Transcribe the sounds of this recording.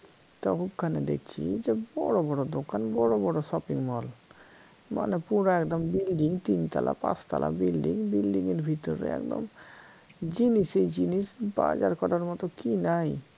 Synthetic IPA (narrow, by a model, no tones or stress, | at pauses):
t̪ɔkʰupkʰaned̪ek̚t͡ɕʰḭd͡ʑebɔɽobɔɽod̪okanbɔɽobɔɽoʃɔpiŋmɔl | ma̰nepuɾaɛkd̪ombilɖiŋt̪int̪alapã̰st̪a̰lʔa̰bilɖiŋbilɖiŋeɾbʱit̪oɾḛɛ̰kd̪o̰m | d͡ʑinisejd͡ʑinisba̰d͡ʑaɾkɔɾaɾmɔt̪okinaj